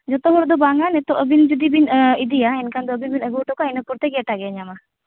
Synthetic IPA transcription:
d͡ʒɔt̪ɔɦɔɾd̪ɔbaŋanɛt̪ɔʔəbind͡ʒud̪ibinid̪ijaɛnkand̪ɔəbinbinəɡuʈɔkɔainɔpɔɾt̪ɛɡɛʈaɡɛɲama

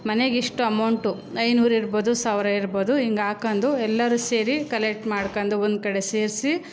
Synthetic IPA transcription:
mɐneɡiʂʈuɐmɐwɳʈu | ɐjnuːɾiɾboːd̪usaːʋɾɐiɾboːd̪uiŋɡaːkɐnd̪uɛlːɐɾuse̞ːɾikɐlek̚ʈmaːɽkɐnd̪uond̪ukɐɽeseːɾsi

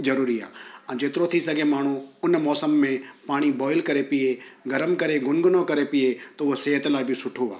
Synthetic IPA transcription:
zɐɾuːɾia̰ːɛ̃ːd͡ʒeːt̪ɪɾot̪ʰisɐɡʱemaːɳ̤uʊnmɔːsəmːẽpaːɽ̃ibɔːɪlkɐɾepieɡɐɾəmkɐɾeɡʊnɡʊnokɐɾepiet̪oʊɦoseɦət̪laːibʱɪsʊʈʰoa̰ː

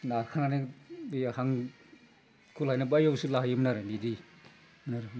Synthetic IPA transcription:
naɾkʰananeahaŋ | kʰulhajnabajawsɯlaɦajɯmnaɾɯnidi | mnaɾɯ

